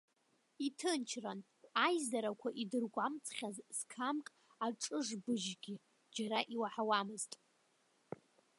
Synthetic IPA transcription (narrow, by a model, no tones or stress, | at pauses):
itʰɨnt͡ʃʰran | ajzaɾakʷʰaʔidɨrɡʷamt͡sʰʼχʲazz̥kʰamkʼ | aʈ͡ʂʼɨʐbɨʒɡʲi | d͡ʒaɾaʔiwaħawamɨztʼ